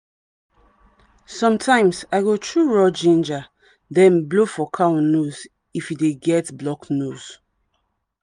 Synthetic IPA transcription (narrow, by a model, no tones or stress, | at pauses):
sɔ̃mtʰãɪ̃msaɪɡotʰɹuɹɔd͡ʒĩnd͡ʒa | dɛ̃nblofɔkʰãnnuz | ifjideɡɛtblɔknuz̥